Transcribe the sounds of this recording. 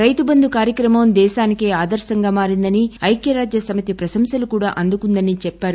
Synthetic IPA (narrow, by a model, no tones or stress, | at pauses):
ɾɐjt̪ubɐnd̪ukaːɾjɐkɾɐmɐmd̪ɛːʃaːnikeːaːd̪ɐɾʃɐŋɡaːmaːɾind̪ɐniɐjkjɐɾaːd͡ʒjɐsɐmit̪ipɾɐsɐmsɐlukuːɽaːʔɐnd̪ukund̪ɐnit͡ʃɛpːaːɾu